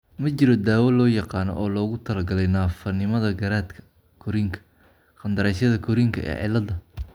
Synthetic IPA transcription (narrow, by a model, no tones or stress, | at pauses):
mɐt͡ʃɪɾɔd̪aːwɐlɔːjɑqɑːnɔ̰ʔɔːlɔːɣʊt̪ʰɐlɐɡɐlɛjnaːfɐnɪmɐðɐɡɐɾaːd̪kʰɐ̥ | kʰʊɾɪŋkʰɐ̥ | χɐnd̪ɐɾɛjsɐðɐkʰʊɾiŋkʰɐ̰ʔɛ̰ːʕɪ̰lɐðɐ